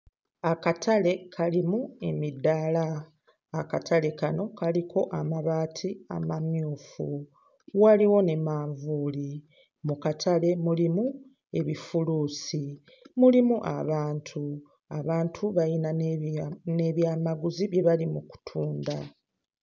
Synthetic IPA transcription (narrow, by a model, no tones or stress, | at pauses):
akatʰale̞kʰalimue̞midalaː | katʰale̞kano̞kalikʰo̞ʔamaβaːtʰia̰mamjuːfṵ | waliwo̞ne̞maːɱvuːli | mukatʰale̞mulimu | e̞βifuluːsi | mulimuʔa̰βaːntʰu | a̰βaːntʰuβajina | ne̞βjaːmaɡuziβje̞βalimuku̥tʰuːnda